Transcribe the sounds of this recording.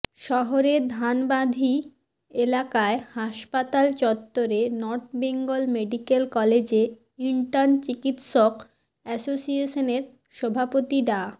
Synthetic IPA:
ʃɔɦoɾeɾd̪ʱanbad̪ʱi | elakaehaʃpat̪alt͡ɕɔt̪ːoɾenɔɾʈ̚beŋɡolmeɖikelkɔled͡ʑe | iɳʈaɾnt͡ɕikit̪ʃok | ɛsosieʃoneɾ | ʃɔbʱapot̪iɾa

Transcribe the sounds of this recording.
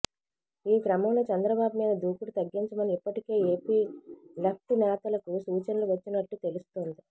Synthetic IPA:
iːɡɾɐmɐmlot͡ʃɐnd̪ɾɐbaːbumiːd̪ɐd̪ʱuːkuɽut̪ɐɡːiɲt͡ʃɐmɐniipːɐʈike̞ːeːpiːlɐp̚t̪inɛːt̪ɐlɐkusuːt͡ʃɐnɐluʋɐt͡ʃːinɐʈːut̪e̞lust̪oːnd̪i

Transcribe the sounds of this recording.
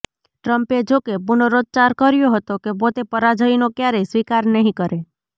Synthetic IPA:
ʈɾəmped͡ʒokebunoɾod͡ʒ̪̚t͡ʃaɾkəɾjoɦət̪okebot̪epəɾad͡ʒəinokjaɾəisʋikaɾnəɦĩkəɾe

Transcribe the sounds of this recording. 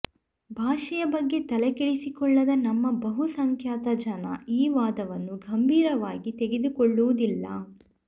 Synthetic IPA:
bʱaːʂɐjɐbɐɡːe̞t̪ɐlɛkɛɭisikɔɭːɐd̪ɐnɐmːɐbɐɦusɐŋkʰjaːt̪ɐd͡ʒɐnɐ̰iːʋaːd̪ɐʋɐnːuɡʱɐmbʱiːɾɐʋaːɡit̪eɡe̞d̪ukɔɭːuʋud̪ilːɐ̰

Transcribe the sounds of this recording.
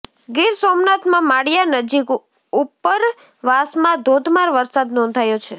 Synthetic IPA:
ɡiɾsomnat̪mãmaɽjanəd͡ʒik | upːəɾ | ʋasmãd̪ʱod̪ʱmaɾʋəɾsad̪nɔ̃ndt̪ʰajot͡ʃʰe

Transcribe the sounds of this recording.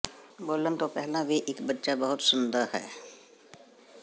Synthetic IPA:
boːlənt̪opɛɦlãʋeʔɪkbətːʃabɐɦʊt̪sʊnd̪əɾɦɛ̰ː

